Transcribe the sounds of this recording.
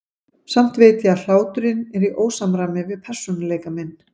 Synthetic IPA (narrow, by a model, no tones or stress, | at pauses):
sam̥t̪veːt̪jaal̥aːwt̪ʏɾɪnɛɾiʔoːwsamɾamɪvɪðpʰɛr̥sɔnaleːjkamɛnː